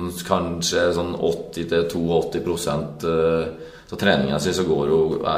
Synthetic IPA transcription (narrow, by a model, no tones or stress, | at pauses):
kʰɑnʂəsɔnːɔ̰t̪ːɪt̪ʰɪlt̪ʰuːɔt̪ːɪpʰɾʊsɛnt̪ | sɔt̪ʰɾeːnɪ̰ŋɑsɪsɔɡoːɾʊ̰